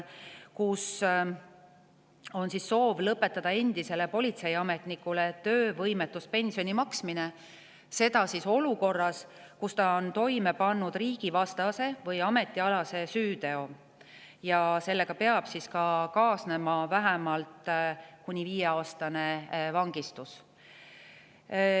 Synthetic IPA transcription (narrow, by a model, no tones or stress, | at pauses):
kus | o̞nsisːo̞ːvlɤpːe̞t̪ːˑɑd̪̥ɑe̞nd̪̥ise̞le̞po̞lʲit̪se̞jɑme̞t̪nikːˑulet̪ø̞ːvɤjmet̪ˑːuspe̞nʲsio̞nʲimɑksmine | se̞d̪ɑsiso̞luko̞rːɑs | kust̪ɑo̞nt̪o̞jme̞pɑnːud̪̥riːɡ̥ivɑst̪ɑse̞vɤjɑme̞t̪ːˑiɑlɑse̞syːd̪e̞o̞ | jɑse̞lːe̞ɡ̥ɑpe̞ɑb̥siskɑkɑːsne̞mɑvæɦæmɑlt̪kunʲiviːjeɑːst̪ɑne̞vɑŋɡ̥ist̪us